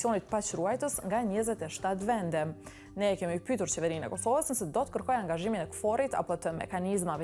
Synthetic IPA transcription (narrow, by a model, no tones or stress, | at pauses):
iɔnit̪pat͡ʃɾuajt̪əsŋɡaɲəzɛt̪ɛʃt̪at̪vɛnd̪ɛ | nɛkɛmiupyt̪uɾt͡ʃɛvɛɾinɛ̰kɔsɔvəsnəsɛd̪ɔt̪ə̥kəɾkɔjaŋɡaʒiminɛkfɔɾit̪a̰pɔt̪əmɛ̰kanizmavɛ